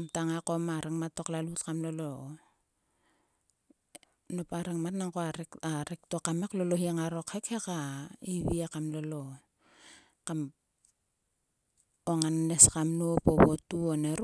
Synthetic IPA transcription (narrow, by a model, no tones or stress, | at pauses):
mtaŋakomaɾeŋmatːo̞klalutkamlolo | nopaɾeŋmatnaŋkoaɾeaɾek̚tokame̞klo̞lohiaŋaɾo̞khekhekaiβiakamlolo | kam | oŋanneskamnopoβotuoneɾ